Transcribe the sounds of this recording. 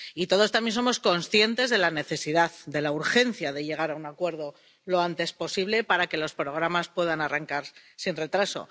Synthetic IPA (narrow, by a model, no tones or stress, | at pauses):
it̪o̞ð̞o̞st̪amjenso̞mo̞sko̞nsθje̞nt̪e̞zðe̞lane̞θe̞siðaðd̪e̞lauɾxe̞n̟θjaðe̞ʎe̞ɣ̞aɾaunakwe̞ɾð̞o̞ | lo̞ant̪e̞spo̞siβle̞paɾake̞lo̞spɾo̞ɣ̞ɾamaspwe̞ðanaraŋkaɾsinre̞t̪ɾaso̰